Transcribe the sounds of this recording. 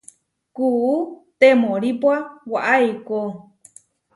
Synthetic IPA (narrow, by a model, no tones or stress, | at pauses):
kuut̪emoɾipwawaʔajko